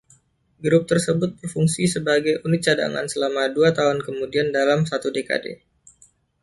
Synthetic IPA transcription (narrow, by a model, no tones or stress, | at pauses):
ɡɾʊp̚t̪ərsəbʊt̪̚bərfuŋsisəbaɡajʔunɪt̪̚t͡ʃada̰ŋa̰nsəlamaduat̪aɦʊnkəmudiandalamsat̪udeka̰dḛ